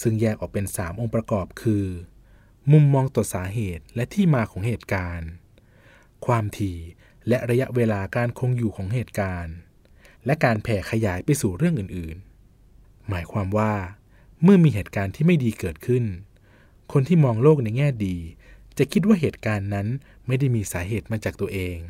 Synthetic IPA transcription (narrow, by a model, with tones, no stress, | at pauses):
sɯ˧ŋjɛː˥˩k̚ʔɔː˨˩k̚pe˧nsaː˩˦mʔo˧ŋpɾa˧kɔː˨˩p̚kʰɯː˧ | mu˧mːɔː˧ŋt̪ɔ˨˩saː˩˦ɦeː˨˩t̪̚lɛ˦˥ʔt̪ʰiː˥˩maː˧kʰɔː˩˦ŋheː˨˩t̪̚kaː˧n | kʰwaː˧mt̪ʰiː˧ | lɛ˦˥ʔɾa˧ja˦˥ʔweː˧laː˧kaː˧nkʰo˧ŋjuː˨˩kʰɔː˩˦ŋɦeː˨˩t̪̚kaː˧n | lɛ˦˥ʔkaː˧npʰɛː˨˩kʰa˧jaː˩˦jpa˧jsuː˨˩ɾɯ˥˩əŋʔɯː˨˩nʔɯː˨˩n | maː˩˦jkʰwaː˧mwaː˥˩ | mɯ˥˩ɐmiː˧ɦeː˨˩t̪̚kaː˧nt̪ʰiː˥ma˥˩jdiː˧kɤː˨˩t̪̚kʰɯ˥˩n | kʰo˧nt̪ʰiː˥˩mɔː˧ŋloː˥˩k̚na˧jŋɛː˥˩diː˧ | t͡ɕa˨˩ʔkʰi˦˥t̪̬̚waː˥˩ɦeː˨˩t̪̚kaː˧nːa˦˥n | ma˥˩jda˥˩jmiː˧saː˩˦ɦeː˨˩t̪̚maː˧t͡ɕaː˨˩k̚t̪u˧ɐʔeː˧ŋ